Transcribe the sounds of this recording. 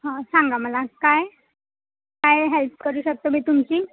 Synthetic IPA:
ɦãsãŋɡaməlakaj | kajɦelp̚kəɾuːɕək̚t̪omiːt̪umt͡ɕiː

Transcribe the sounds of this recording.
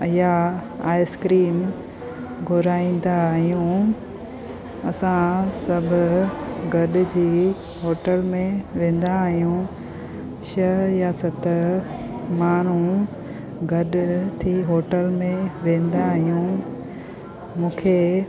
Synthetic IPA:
jaaːɪskɾiːm | ɡʱʊɾaːĩːn̆d̪aɦijũ | ɐsãsɐbʱʊɡɐɗd͡ʑiː | ɦoːʈəlmẽʋẽːn̆d̪aɦijũ | ʃɐjasɐt̪ | maːn̤ũ | ɡɐɗt̪ʰiɦoːʈəlmẽʋẽːn̆d̪aɦijũ | mũːkʰe

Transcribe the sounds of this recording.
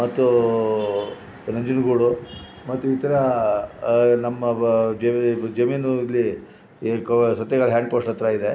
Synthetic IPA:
mɐt̪ːu | nɐɲd͡ʒunɡuːɽu | mɐt̪ːuit̪ɐɾɐ | nɐmːɐd͡ʒed͡ʒɐminuilːi | ksʋɐt̪ːjɐɡɐɭɦjaːɳɖpoːsʈɐt̪ːɾɐid̪e

